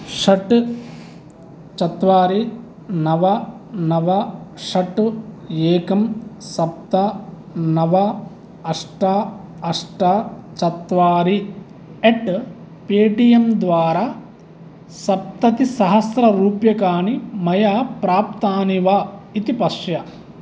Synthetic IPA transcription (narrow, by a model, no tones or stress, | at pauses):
ʂɐʈ | t͡ʃɐt̪ʋaːɾi | nɐʋɐ | nɐʋɐʂɐʈ | eːkɐmsɐp̚t̪a | nɐʋɐ | ɐʂʈaːɐʂʈaːt͡ʃɐt̪ʋaːɾi | eʈ | peːʈijɐmd̪ʋaːɾaː | sɐp̚t̪ɐt̪isɐɦɐsɾɐɾuːpjɐkaːnimɐjaːpɾaːp̚t̪aːniʋait̪ipɐʂjɐ